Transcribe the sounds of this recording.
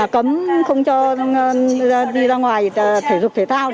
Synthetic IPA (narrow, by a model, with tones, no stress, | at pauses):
kə˨˦mxə˧wŋ͡mt͡ɕɔ˧ | ɗi˧zaː˧ŋwaː˨˩jt̪ʰe˧˩zʊ˨˩k͡p̚t̪ʰe˧˦t̪ʰaː˧w